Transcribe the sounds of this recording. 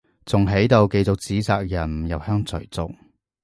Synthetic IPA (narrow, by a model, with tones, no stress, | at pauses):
t͡sʊ˨ŋɦe˨˥jt̪o˨˧wke˧jt͡sʊ˨k̚t͡siː˨˥saː˧k̚jɐ˨˩n˨jɐ˨˩whœː˥ŋt͡sʰɵ̰˨˩t͡sʊ̰˨k̚